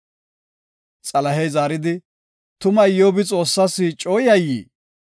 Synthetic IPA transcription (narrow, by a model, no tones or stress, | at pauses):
t͡sʼɐlɐɦɛjzaːɾɪd̪ɪ | t̪ʊmɐjɪjoːbɪt͡sʼo̞ːsːaːsːɪt͡ʃʼo̞ːjɐjːḭː